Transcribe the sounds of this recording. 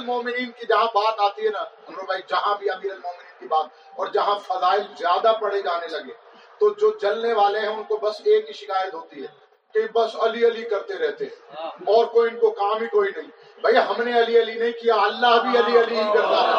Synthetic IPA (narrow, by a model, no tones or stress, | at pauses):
lmoːmɪniːnkid͡ʒɐɦãbaːt̪aːt̪iɦɛnaɐ̃mɾobaːid͡ʒɐɦãbʱiaːt̪iːəlmoːmɪniːnkibaːt̪̚ | ɔːɾd͡ʒɐɦãfɐzaːɪlzjaːd̪apɐɽ̤ed͡ʒaːnelɐɡẽː | t̪od͡ʒoːd͡ʒɐlneʋaːleɦɛ̃ʊnkobɐseːkːiʃɪkaːjət̪ɦoːt̪iɦɛː | kebɐsɐliɐlikɐɾt̪eɾɛɦt̪eɦɛ̃ːɔːɾkoːiɪnkokaːmbikoːinɐɦĩ | bʱɐiɦɐmneɐliɐlinɐɦĩkijaɐlːaɦbʱiɐliɐliɦikɐɾt̪aɦɛː